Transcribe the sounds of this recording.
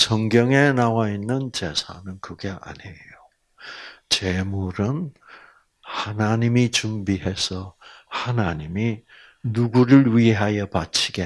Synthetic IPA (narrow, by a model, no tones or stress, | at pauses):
sʌŋɡjʌŋe̞nawainːɯnt͡ɕe̞sʰa̰nɯnkɯɡe̞ʔa̰ɲejo | t͡ɕe̞muɾɯn | hanaɲimit͡ɕumbiɦe̞sʰʌhanaɲimi | nuɡuɾɯɭɥiɦajʌpat͡ɕʰiɡe